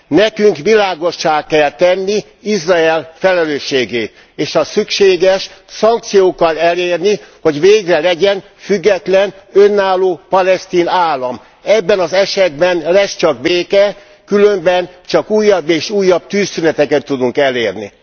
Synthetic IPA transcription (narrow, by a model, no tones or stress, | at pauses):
nɛkyŋkʋilaːɡo̞ʃːaːkkːɛlt̪ɛnːi | izraɛlfɛlɛløːʃːeːɡeːt̪ | eːʃɒsykʃeːɡɛʃsɒŋk̚t̪sijoːkɒlɛleːrniho̞ɟʋeːɡrɛlɛɟɛn | fyɡːɛt̪lɛnønːaːlːoːpɒlɛst̪iːnaːlːɒm | ɛbːɛnɒzɛʃɛd̪̚bɛnlɛst͡ʃɒkbeːkɛ | kylø̞mbɛnt͡ʃɒkuːjːɒbːeːʃuːjːɒb̥̚t̪yːsːynɛt̪ɛkɛt̪ːud̪uŋkɛleːrnḭ